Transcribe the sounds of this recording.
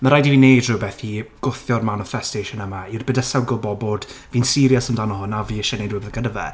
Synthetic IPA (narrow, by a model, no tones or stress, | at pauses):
məɾajdiviːnejdrʊbɛθiɡ̥ʊθjɔrmanɔfɛstejʃɔnəmairbədasawɡɔlˠbɔboːdvinsɪɾjasəndanɔhʊnaviːəʃɛnejdrʊbɛθɡ̥ənəvɛ̰